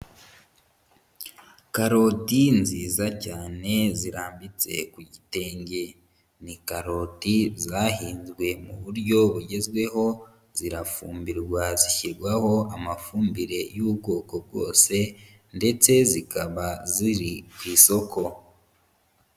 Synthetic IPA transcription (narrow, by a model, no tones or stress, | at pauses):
kaɾo̞tinziːzacaːne̞ziɾaːmbit͡se̞̰kuɟite̞ːɲɟe̞ | nikaɾo̞ːtizaɦiːnzwe̞mṵβuɾɟo̞βuɟe̞zɡwe̞ɦo̞ | z̥iɾafuːmbiɾɡwaziçiɾɡwaho̞amafuːmbiɾe̞juːbɡo̞ːko̞bɡo̞̰ːse̞ | nde̞t͡se̞zikʰaβaziɾikwiːso̞kʰo̞